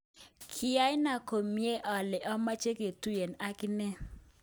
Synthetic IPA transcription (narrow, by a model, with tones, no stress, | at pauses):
kʰɪ˨ja˦jɪ˦na˨ko˨mi˦e˦ʔɔ˨lɪ˨ʔɔ˦ma˦t͡ʃe˦ke˨tu˦je˨na˦kɪ˦nɛ˦